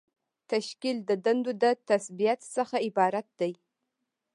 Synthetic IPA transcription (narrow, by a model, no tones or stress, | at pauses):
tʰɐʃkʲildɐdɐndudɐtʰɐsbijatʰsɐχɐibaːɾɐt̚d̥ɐj